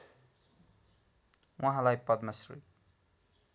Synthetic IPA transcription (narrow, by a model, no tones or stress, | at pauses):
waɦãlajpʌd̪mʌsrṵj